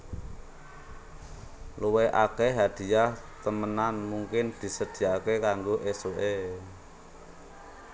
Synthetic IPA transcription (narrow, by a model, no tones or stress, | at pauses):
luweʔa̰keɦad̪̥i̤jah | t̪əmənanmuŋkɪnd̪̥i̤səd̪̥i̤jakekaŋɡoʔesoʔe